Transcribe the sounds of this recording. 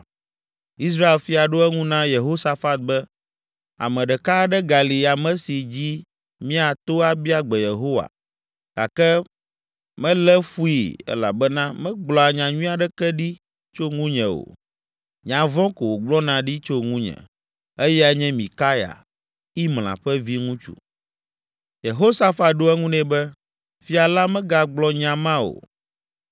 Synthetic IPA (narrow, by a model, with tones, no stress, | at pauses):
i˦s̬ɾa˦e˨lfi˦a˨ɖo˦ɛ˦ŋũ˦nã˦je˨ɦo˦sa˦fa˦t̪̚bɛ˦ | a̰˨mɛ̃˨ɖɛ˨ka˦ɖɛ˦ɡa˨li˨a˨mɛ̃˦si˨d͡ʑi˦ | mĩ˦a˨t̪o˦a˨bi˦a˨ɡ͡bɛ˨je˨ɦo˦wa̰˨ | ɡ̥a˨kɛ˦ | mɛ̃˦lɛ˦fu˦i˨ɛ̰˦la̰˨bɛ˦nã˦mɛ̃˦ɡ͡blɔ˨a˨ɲã˨ɲũ˦a˨ɖɛ˦kɛ˦ɖi˦ | t͡ʃo˦ŋũ˦ɲɛ̃˨o̰˨ | ɲã˨vɔ̃˦ko˨wo˨ɡ͡blɔ˦nã˨ɖi˦t͡ʃo˦ŋũ˦ɲɛ̰̃˨ | ɛ˦jɛ˦a˦ɲɛ̃˦mĩ˨ka˦ja̰˨ | i˦ml̃ã̰˨ɸɛ˦vi˦ŋũ˦t͡ʃṵ˦˨ | je˨ɦo˦sa˦fa˨ɖo˦ɛ˦ŋũ˦nɛ̃˨bɛ˦ | fi˦a˨la˦mɛ̃˦ɡa˨ɡ͡blɔ˦ɲã˨mã˦o̰˨